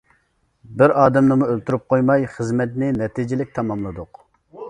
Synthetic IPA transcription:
bɪɾɑːd̪ɛmnɨmuølt̪uɾyp̚qʰojmɑjχəzmɛt̪nɪnɛt̪ʰid͡ʒɪlɪk̚ʲt̪ʰɑmɑmlˠɨd̪ʊq

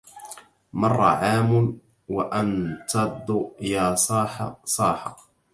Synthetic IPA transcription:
mɑrˤːɑ̰ʕaːmʊn | waʔant̪ɑd̪ˤːjaːsˤɑːħɑsˤɑːħɑ̰

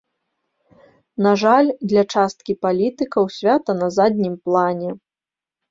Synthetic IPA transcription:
naʐalʲd̪lʲɐt͡ʂast̪kʲipalʲit̪ɨkɐwsʲvʲat̪ɐnɐzad̪ʲnʲimplˠanʲɛ

